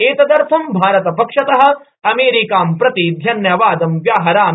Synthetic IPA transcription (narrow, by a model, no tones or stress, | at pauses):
eːt̪ɐd̪ɐɾfʰɐmbʱaːɾɐt̪ɐpɐkʂɐt̪ɐɦɐ̆ | ɐmeːɾikaːmpɾɐt̪id̪ʱjɐnjɐʋaːd̪ɐmʋjaːɦɐɾaːm